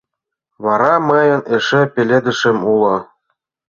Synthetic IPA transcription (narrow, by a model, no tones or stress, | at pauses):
βɑɾɑmɤ̆jɤ̆neʃĕpʲelʲĕd̪ɘ̆ʃɘ̆mulɤ̆